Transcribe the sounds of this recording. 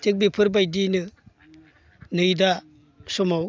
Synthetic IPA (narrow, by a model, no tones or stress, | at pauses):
tɯk̚bipʰɯɾbajdinɯ | nɯjda | sɔmaw